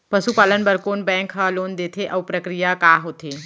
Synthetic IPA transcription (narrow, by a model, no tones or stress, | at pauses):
pɐsupaːlənbɐɾkoːnbɛ̃ːŋkɦaloːnd̪eːt̪ʰeʔɐʋpɾəkɾijakaːɦoːt̪ʰeː